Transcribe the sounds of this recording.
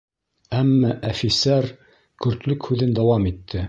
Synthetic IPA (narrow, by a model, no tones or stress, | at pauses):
æmːæʔæfisæɾ | kɵ̆ɾt̪lɵkhʉðɘnd̪æwɑmit̪ʰːɘ